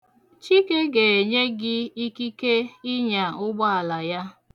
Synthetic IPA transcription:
t͡ʃi˦ke˦ɡe˨e˨ɲe˦ɡɪ˦i˦ki˦ke˦i˦ɲa˨ʊ˦ɡ͡bɔ˦a˨la˨ja˦

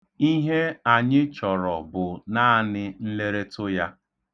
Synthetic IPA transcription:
i˦ɦe˦a˨ɲɪ˦t͡ʃɔ˨ɾɔ˨bʊ˨na˦nɪ˦n̩˦le˦ɾe˦tʊ˦ja˦

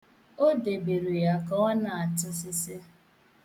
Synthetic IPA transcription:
o˦de˨be˨ɾi˨ja˨kɔ˦na˨a˨tʊ˦sɪ˦sɪ˦

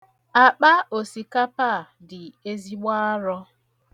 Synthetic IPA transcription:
a˨k͡pa˦o˨si˨ka˦pa˦˨ | dɪ˨e˦zi˦ɡ͡ba˦ɾɔ˦

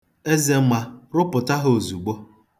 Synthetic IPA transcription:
e˦ze˨m̩˦ma˨ɾʊ˦pʊ˨ta˦ɦo˨zu˨ɡ͡bo˦

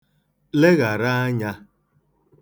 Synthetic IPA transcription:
le˦ɣa˨ɾa˦a˦ɲa˦

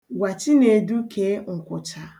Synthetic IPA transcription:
wa˨t͡ʃi˦ne˨du˦kʰe˦ŋ̩˨kʷʊ˨t͡ʃa˨

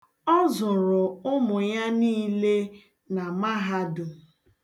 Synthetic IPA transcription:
ɔ˦zʊ˨ɾʊ˨ʊ˦mʊ˨ja˦niː˦le˦ | na˨ma˦ɦa˦dʊ˨

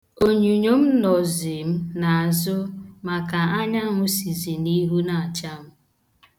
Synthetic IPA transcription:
o˨ɲu˨ɲo˦m̩˦nɔ˨zi˨m̩˦na˨a˨zʊ˦ma˨ka˨a˦ɲa˦ŋʷʊ˦si˨zi˨ni˦ɦu˦na˨a˨t͡ʃa˦m̩˦

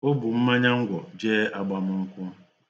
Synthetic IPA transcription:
o˦bʊ˨m̩˦ma˦ɲa˦ŋ̩˦ɡʷɔ˨d͡ʒeː˦a˦ɡ͡ba˦mʊ˦ŋ̩˦kʷʊ˦

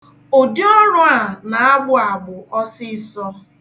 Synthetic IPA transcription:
o˨di˦ɔ˦ɾʊ˦a˨na˨a˦ɡ͡bʊ˦a˨ɡ͡bʊ˨ʔɔ˦sɪ˦sɔ˦

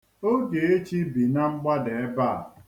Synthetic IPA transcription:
o˦ɡe˨e˦t͡ʃi˦bi˨na˦ŋ͡m̩˦ɡ͡ba˦de˨e˦ba˦˨

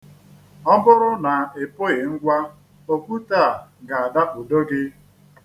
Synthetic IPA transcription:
ɔ˦bʊ˦ɾʊ˦na˨e˨po˦ɪ˨ŋ̩˦ɡʷa˦ | o˦kʷu˦ta˦˨ɡa˨a˨da˦u˨do˦ɡɪ˦

